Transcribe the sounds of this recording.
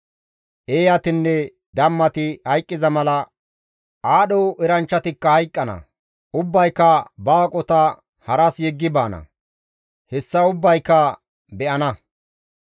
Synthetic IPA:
ʔeːjɐt̪ɪnːɛ | d̪ɐmːɐt̪ɪhɐjkʼːɪzɐmɐlɐ | ʔaːɗɔwʔɛɾɐnt͡ʃːɐt̪ɪkːɐhɐjkʼːɐnɐ̰ | ʔʊbːɐjkːɐbaːkʼɔt̪ɐ | hɐɾɐsjɛɡːɪbaːnɐ̰ | hɛsːɐʊbːɐjkːɐ | bɛʔɐnɐ

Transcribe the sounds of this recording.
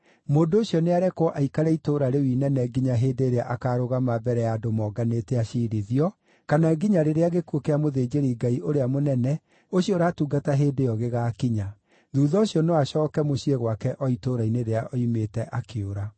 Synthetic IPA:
moːndooɕjɔneaɾɛkwɔʔaikaɾɛitoɾaɾewinɛnɛɡiɲaɦeːdeːɾeaʔakaɾoɣamabɛɾɛjadomɔːɡanetɛaʃiɾiðiɔ | kanaɡiɲaɾeɾeaɣekuokeamoðeːd͡ʒeɾiɡaiʔoɾeamonɛnɛ | oɕjɔɾaːtuːɡataɦeːdejɔɣeɣakiɲa | ðuːðɔoɕiɔnewaɕɔːkɛmoɕieɣwakɛʔɔitoɾaineɾeaʔɔimeːtɛʔakeoɾa

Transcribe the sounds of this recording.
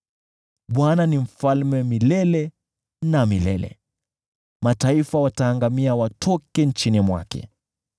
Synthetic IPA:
ɓwananim̩falmɛmilɛlɛ | namilɛ̰lɛ̰ | mataifawataːŋɡamiawatʰɔkɛnt͡ʃinimwa̰kɛ̰

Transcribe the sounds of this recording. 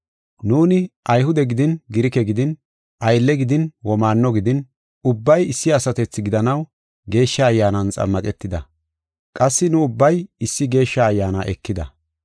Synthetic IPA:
nuːnɪʔɐjɦʊd̪ɛɡɪd̪ɪnɡɪɾɪkɛɡɪd̪ɪn | ʔɐjlːɛɡɪd̪ɪnwɔmaːnːɔɡɪd̪ɪn | ʊbːɐjɪsːɪɐsɐt̪ɛt͡sːɪɡɪd̪ɐnɐw | ɡe̞ːʃːɐːjːaːnɐnt͡sʼɐ̰mːɐkʼɛt̪ːɪd̪ɐ | kʼɐsːɪnʊːbːɐjɪsːɪɡe̞ːʃːɐːjːaːnaʔɛkːɪd̪ɐ

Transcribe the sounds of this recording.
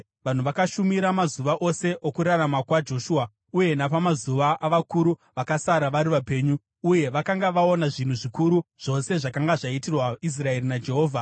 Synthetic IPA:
ʋan̤uʋakaʃumiɾamazuʋaʔo̞se̞ʔokuɾaramakwad͡ʒo̞ʃua | uje̞napamazuʋaʔaʋakuɾuʋakasaɾaʋaɾiʋape̞ːɲuː | je̞ʋakaŋɡaʋao̞naʐin̤uʐikuɾuʐ̥o̞se̞ʐakaŋɡaʐaitirwais̬rae̞ɾinad͡ʒe̞ɦo̞ːvʱa

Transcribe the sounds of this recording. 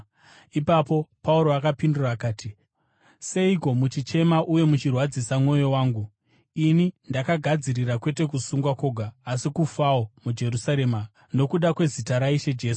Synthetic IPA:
ipapo̞pauɾo̞akapinduraːkaːtʰi | se̞iko̞mut͡ʃit͡ʃe̞maʔuje̞mut͡ʃirwad͡zisamŋo̞jo̞waːŋɡu | inindakaɡʱad͡ziɾirakwe̞te̞k̬usuŋɡwako̞ɡʱaːsikufaomud͡ʒe̞ɾusaɾe̞ːma | no̞kuɗakwe̞zitaɾaiʃe̞d͡ʒe̞ːsu̥

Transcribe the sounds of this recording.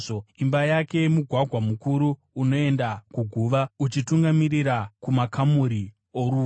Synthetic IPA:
imbajake̞muɡʱwaɡʱwamukuɾuː | no̞e̞ndakuɡʱuʋaut͡ʃituŋɡamiɾiɾakumakamuɾi | oɾuː

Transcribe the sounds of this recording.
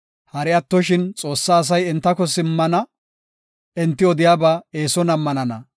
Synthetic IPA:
hɐɾɪɐt̪ːɔʃɪnt͡sʼo̞ːsːaːs̬ɐjɛnt̪ːɐkɔsɪmːɐnɐ | ɛnt̪ːɪɔd̪ɪjaːbaːe̞ːsɔnɐmːɐnɐnɐ̰

